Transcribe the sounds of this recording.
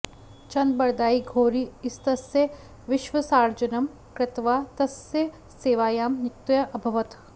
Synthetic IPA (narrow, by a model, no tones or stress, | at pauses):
t͡ʃɐnd̪̚bɐɾd̪aːiɡʱoːɾiːɪst̪ɐsjə | ʋɪʃʋəsaːɾd͡ʒɐnɐm | kɾɪt̪ʋaːt̪ɐsjɐ | seːʋaːjaːmnɪkt̪jɐʔɐbʱɐʋɐt̪